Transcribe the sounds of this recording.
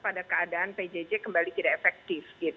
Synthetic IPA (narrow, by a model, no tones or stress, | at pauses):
padakəadaːnped͡ʒed͡ʒekəmbalit̪idaefɛk̚t̪ɪfɡit̪